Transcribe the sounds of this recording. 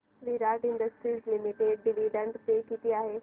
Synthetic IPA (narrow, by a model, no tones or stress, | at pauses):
ʋiɾaːʈɪ̃ɳɖəsʈɾiːzlɪmɪʈeːɖ̚ːɪʋiɖə̃ɳʈt̪ekit̪iaːɦe